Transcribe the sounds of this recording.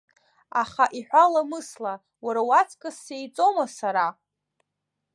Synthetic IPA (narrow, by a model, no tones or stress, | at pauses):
aχaʔiħᶣʷalamɨsla | waɾawat͡sʰʼkʼɨsːejt͡sʼomasaɾa